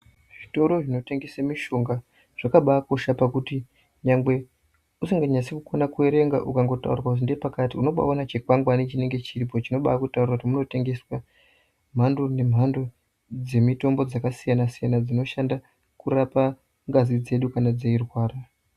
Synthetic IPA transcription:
ʐ̥ito̞ɾo̞ʐino̞te̞ŋɡe̞samiʃo̞ŋɡa | ʐ̥akaɓako̞ʃapakuti | ɲaŋɡwe̞ | usiŋɡaɲasikukonakue̞ɾe̞ŋɡa̰ʔukaŋɡo̞ta̰ṵrwakut̬indepakatiuno̞ɓa̰onat͡ʃe̞kwaŋɡwanit͡ʃine̞ŋɡe̞t͡ʃirip̬o̞t͡ʃino̞ɓa̰akutaurirakutimuno̞te̞ŋɡe̞swa | m̤ando̞ne̞m̤ando̞ | d͡ze̞mito̞mbo̞d͡zakasijanasijanad͡zino̞ʃanda | kuɾapa | ŋɡazid͡ze̞ɗukanad͡ze̞irwaːra

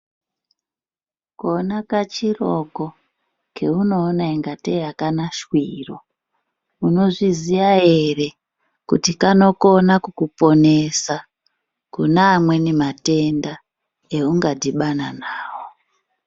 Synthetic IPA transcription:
konakat͡ʃiroko̞ | kʰe̞uno̞ːnaeŋɡateakanaʃwiro̞ | uno̞ʐizijae̞re̞ | kutikano̞ko̞nakukupo̞ne̞sa | kunaːmwe̞nemate̞nda | e̞uŋɡadiɓananaːwo

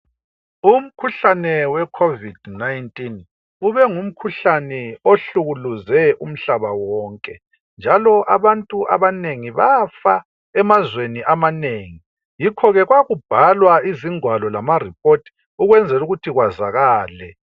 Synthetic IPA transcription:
um̩kʰuɬanɛwɛkʰovid̥najntʼin | uβɛŋum̩kʰuɬanɛoɬuɣuluzɛʔum̩ɬaβawɔːŋkʼɛ | nd͡ʒʱalɔʔaβantʼuʔa̰βaneŋiβafa̰ | ɛmazweniʔamaneːŋi | jikʰɔɣɛɣwaɣub̥ʱalwaiziŋwalɔlamarip̚ʰʼotʰi̥ | uɣwɛnd͡zʱɛluɣutʰiɣwaza̰ɣaːlɛ

